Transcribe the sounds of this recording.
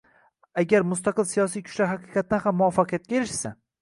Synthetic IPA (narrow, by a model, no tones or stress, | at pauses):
aɡʲaɾmʊst̪ɑqɨlsijɒsijkʰʊ̥t͡ʃlaɾɦaqɨqʰɑt̪̚ːanhamːʊɒfːɑqɨjat̪̚kʲaeɾɪʃsa